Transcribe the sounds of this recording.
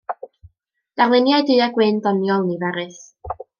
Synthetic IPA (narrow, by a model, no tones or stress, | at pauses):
d̥arlˠɪnjajdɨːaɡwɪndɔnjɔlˠnivɛɾɨθ